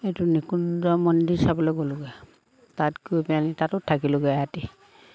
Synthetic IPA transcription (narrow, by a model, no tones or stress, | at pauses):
etunikundɔmɔndisabɔloɡɔlʊɡɛ | tatkojpɛanitatʊtʰakilʊɡɛati